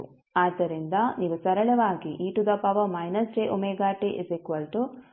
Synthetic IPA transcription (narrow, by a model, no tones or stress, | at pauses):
aːd̪ːɐɾind̪ɐniːʋusɐɾɐɭɐʋaːɡiʔiːʈud̪ɐpɐʋɐmɐjnɐsɾeːʔomeːɡaːʈiʔisekʋɐlʈu